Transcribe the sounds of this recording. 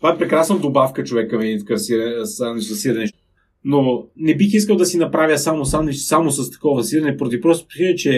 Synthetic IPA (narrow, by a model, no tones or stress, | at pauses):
t̪ovaɛpɾɛkɾasnɐd̪obafkət͡ʃovɛkːəmɛit̪kasiɾɐsanɛzɐsiɾɐnɛ | nonɛbixiskəlˠd̪ɐsinɐpɾavʲjəsamosanɛsamosɐst̪ɐ̥kɔvvɐsiɾɐnɛpoɾɐd̪ipɾɔst̪o̥psilɛt͡ʃɛ